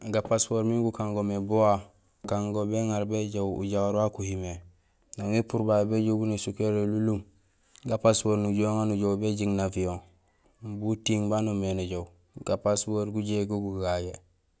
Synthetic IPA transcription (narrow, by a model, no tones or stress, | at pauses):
ɡapaspoɾmiŋɡukãŋɡomebowa | kaŋɡobeŋaɾbeɟowṵɟawaɾwakuhime | naŋepuɾbajebeɟoɡunesukeɾelulum | ɡapaswoːɾnuɟoŋanuɟowbeɟiŋnavijõŋ | butiŋbanomenuɟow | ɡapaswoɾɡuɟeɡoɡuɡaje